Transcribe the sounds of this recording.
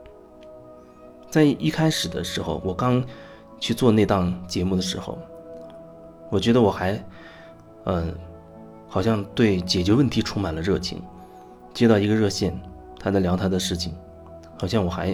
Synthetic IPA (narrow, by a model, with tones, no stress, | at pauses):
t͡sa˥˧ɪi˥˩kʰa˥ɪʂɻ̩˨˩d̪ə˦ʂɻ̩˧˥xo˥˧ʊwɔ˨˩kɑ˥ŋ | t͡ɕʰy˥˧t͡swɔ˥˧ne˥˧ɪt̪ɑ˥˩ŋt͡ɕjɛ˧˥mu˥˩d̪ə˩ʂɻ̩˧˥xo̰˧ʊ | wɔ˨˩t͡ɕɥɛ˧˥d̪ə˧wɔ˨˩xa˧˥ɪ | ə˧˩ | xɑ˨˩ʊɕjɑ˥˧ŋt̪we˥˩ɪt͡ɕjɛ˨˩t͡ɕɥɛ˧˥wə˥˩nt̪ʰi˧˥ʈ͡ʂʰu˥ma˨˩nlə˦ɻɤ˥˩t͡ɕʰḭ˧˥ŋ | t͡ɕjɛ˥t̪ɑ˥˩ʊi˧˥ɡə˧ɻɤ˥˧ɕjɛ˥˩n | t̪ʰa˥d̪ə˧˩ljɑ˧˥t̪ʰa˥d̪ə˧ʂɻ̩˥˩t͡ɕʰi˩ŋ | xɑ˨˩ʊɕjɑ˥˩ŋwɔ˨˩xa˧˥ɪ